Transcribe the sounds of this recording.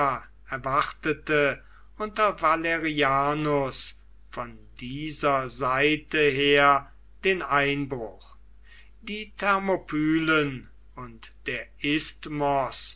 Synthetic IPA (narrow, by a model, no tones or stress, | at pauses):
ɛɐvaʁtətə | ʊntɐvaleʁiaːnos | fɔndiːzɐzaɪtəɦeːɐ | d̥eːnaɪnbʁʊχ | d̥iːtʰɛɐmopʰyːlən | ʊntd̥eːɐʔɪstmɔs